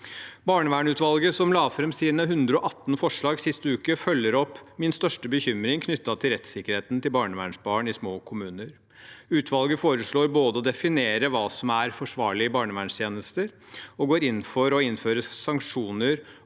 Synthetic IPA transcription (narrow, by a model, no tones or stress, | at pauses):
bɑːɳəʋæːɳʉːt̪ʋɑlɡəsɔmlɑːfɾɛmsiːnəɦʉnd̪ɾəɔʔɑt̪ːnfɔʂɭɑːɡsɪst̪əʉːkəfœlːəɾɔpːmɪnst̪œʂʈəbəçʏmɾɪŋkʰnʏt̪ːɑt̪ʰɪlɾɛt̪sɪkːəɾheːt̪nt̪ɪlbɑːɳəʋæ̰ːɳʂbɑːɳɪsmoːkʰʊmʉːnəɾ | ʉːt̪ʰʋɑlɡəfoːɾəʂɭoːɾboːd̪əɔd̪ɛfɪneːɾəʋɑːsɔmæɾfɔʂʋɑːɭɪɪbɑːɳəʋæːɳʂt̪ʰjeːnəst̪əɾ | ɔɡoːɾɪnːfɔɾɔɪnføːɾəsɑŋkʂuːnəɾ